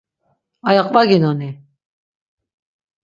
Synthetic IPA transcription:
ajaqʼvaɡinɔni

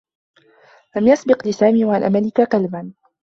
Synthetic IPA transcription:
lamjasbɪqlɪsaːmiːwaʕanʔamalɪkaqalban

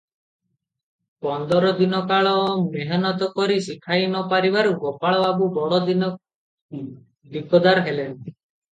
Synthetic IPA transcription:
pɔnd̪ɔɾɔd̪inɔkaɭɔmeɦɔnɔt̪̬ɔkɔɾisikʰajnɔpaɾibaɾuɡɔpaɭɔabubɔɽɔd̪inɔ | d̪ikɔd̪aɾɦelent̪i

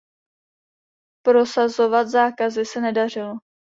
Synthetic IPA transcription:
pɾo̞sazo̞vat̪zaːkazɪsɛnɛdar̝ɪlo

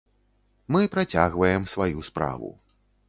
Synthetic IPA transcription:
mɨpɾat͡sʲaɣvɐjɛmsvajuspɾa̰vṵ

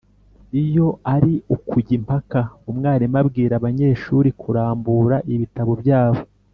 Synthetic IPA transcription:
ijo̞aɾiʔukuɟimpakaumŋaːɾimabɡiːɾaβaɲe̞ːʃuɾikʰuɾaːmbuɾaʔiβitaβo̞bɟaːβo̞

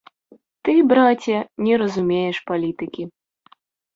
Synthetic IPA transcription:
t̪ɨbɾat͡sʲɐnʲɛɾɐzumʲejɛʂpalʲit̪ɨkʲi

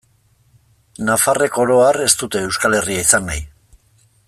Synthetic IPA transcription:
nafare̞ko̞ɾo̞are̞st̪ut̪e̞ːwskale̞riaisanːa̰j

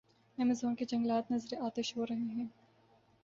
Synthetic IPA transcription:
ɛmɪzoːnked͡ʒɐ̃ŋɡlaːt̪nɐzɾeʔaːt̪eʃɦoɾɐɦeɦɛ̃ː

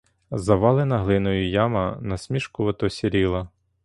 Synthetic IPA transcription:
zɐʋɑlˠɪnɐɦlˠɪnɔjʊjɑmɐnɐsʲmʲiʃkʊʋɐt̪ɔsʲiɾʲilˠɐ

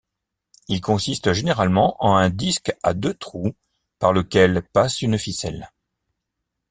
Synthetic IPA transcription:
ilkɔ̃sist̪ʒeneʁalmɑ̃ʔɑ̃ɛ̃d̪iska̰d̪øt̪χu | paʁləkʲɛlpasynfisɛl

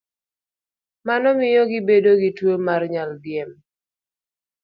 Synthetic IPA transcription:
manɔmɪjɔɡɪbedoɡitwomarɲaldjɛm

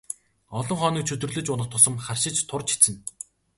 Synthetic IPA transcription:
ɔɮɞ̆ŋχɔːniːkt͡ɕʰɵt̪ɵ̆rɮɵ̆t͡ɕʊnə̆χt̪ʰːʊsə̆mχarʃɪ̆t͡ɕt̪ʰʊrt͡ɕʰi̥t͡sɘ̆n

